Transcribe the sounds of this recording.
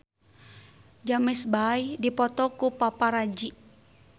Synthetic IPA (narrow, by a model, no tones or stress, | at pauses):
d͡ʒamɛsbajdipɔt̪ɔkupapaɾad͡ʒi